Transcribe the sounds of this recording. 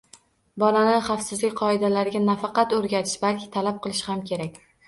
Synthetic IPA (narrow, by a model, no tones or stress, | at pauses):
bɒlanɪχɑfsɪzlɪkʲqʰɒɪd̪alaɾɪɡʲanafɑqɑt̪ɵɾɡʲat̪ʰɪ̥ʃbalkʲʰɪ̥t̪ʰalap̚qʰɨlˠɪʃhamkʲʰe̞ɾakʲ